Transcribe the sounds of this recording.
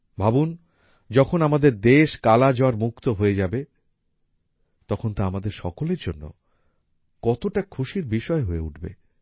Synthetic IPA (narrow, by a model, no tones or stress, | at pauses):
bʱabun | d͡ʑɔkʰonamad̪eɾd̪eʃkalad͡ʑaaɾmukt̪oɦoed͡ʑabe | t̪ɔkʰont̪aamad̪eɾʃɔ̰koleɾd͡ʑonːo̰ | kɔt̪oʈakʰuʃiɾbiʃɔeɦoeuʈʰbḛ